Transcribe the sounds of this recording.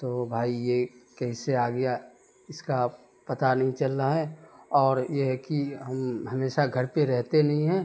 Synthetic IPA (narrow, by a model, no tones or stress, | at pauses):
t̪oːbʱaːijekɛɪseaːɡja | ɪska | pɐt̪anɐɦĩt͡ʃəlːaɦɛɔːɾjeɦɛkiɦɐmɦɐmeːʃaɡʱəɾpeɾɛɦt̪enɐɦĩɦɛ̃ː